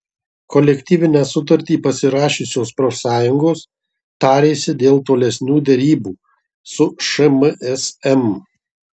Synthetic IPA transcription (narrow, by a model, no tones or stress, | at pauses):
kɔlʲɛkʲt̪ʲiːʋʲɪnʲæːsʊt̪ɐɾʲt̪ʲiːpɐsʲɪɾɑːʃʲʊsʲoːspɾɔsɑːjʊŋɡoːs | t̪ɑːɾʲeːsʲɪd̪ʲeːlˠt̪oːlʲɛsʲnʲuːd̪ʲɛɾʲiːbuː | sʊʃɐmʔɛsɛm